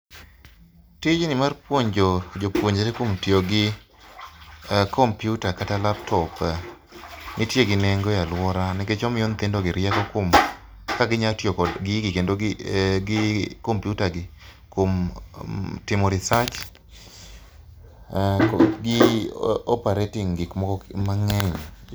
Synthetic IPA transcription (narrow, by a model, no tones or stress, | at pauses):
tɪd͡ʒnɪmarpwoɲd͡ʒod͡ʒopwoɲd͡ʒatɛkomtjoɡɪ | kʰompjutakatalaptʰɔp | nɪtjeɡɪnɛŋɡojalwɔɾanɛket͡ʃɔmɪjont̪ɪndoɡɪɾjɛkɔkom | kaɡɪɲatjokɔɡɪɡɪkendoɡɪkompjutaɡɪ | kom | tɪmɔɾɪsat͡ʃ | ɡɪ | ɔpaɾetɪŋɡɪkmɔkɔmaŋɛɲ